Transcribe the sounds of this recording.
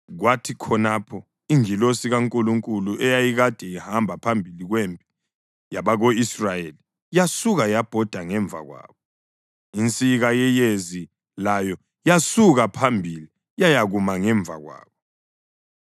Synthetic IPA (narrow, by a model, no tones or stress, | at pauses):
ɣwatʰikʰɔnapʰɔ | iŋilosiɣaŋkʼuluŋkʼuluɛjajiɣad̥ʱɛihambʱapʰambʱiliɣwempʼi̥ | jaβaɣoisrajeli | jasuɣajab̥ʱɔd̥ʱaŋɛɱvʱa̰ɣwa̰ːβɔ | int͡sʼiɣajɛjezi | lajɔ | jasuɣapʰambʱili | jajaɣumaŋɛɱb̪vʱa̰ɣwa̰ːβɔ